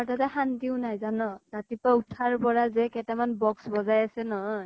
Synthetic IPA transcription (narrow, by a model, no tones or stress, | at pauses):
aɹtatɛhantiʊnajzanɔtatipautʰaɹpɔɹazɛkɛtamanbɔksbɔzajasɛnɔɦɔj